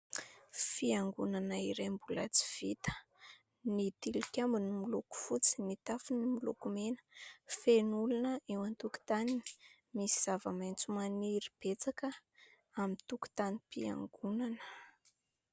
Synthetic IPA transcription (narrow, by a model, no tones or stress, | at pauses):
fiaŋɡunanaiɾembulat͡si̥v̥it̪ə̥ | nit̪ilukʲambinimiluku̥fut͡si̥nit̪afunimilukumenə̥fenulunəewant̪uki̥t̪anini̥ | misiz̥avəmajnt͡sumaniɾib̥et͡sakə | amit̪uku̥t̪anipia̰ŋɡunanə̥